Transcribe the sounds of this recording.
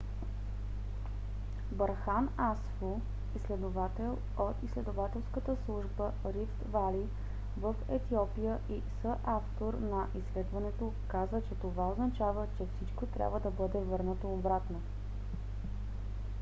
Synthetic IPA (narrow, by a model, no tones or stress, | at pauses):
bɐɾxanasfo | islɛd̪ovat̪ɛlˠ | ot̪islɛd̪ovat̪ɛlˠskət̪əslˠuʒbə | ɾift̪vali | vəfɛt̪iɔpijəʔisəʔaft̪oɾnɐʔislɛd̪vɐnɛt̪o | kazət͡ʃɛt̪ovaoznɐt͡ʃavət͡ʃɛfsit͡ʃkot̪ɾʲa̰bvəd̪ɐbɤd̪ɛvɤɾnət̪oːbɾat̪no